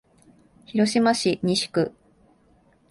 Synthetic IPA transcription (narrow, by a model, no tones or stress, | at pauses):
çiɾo̞ɕimaɕiɲ̟iɕi̥kɯ̟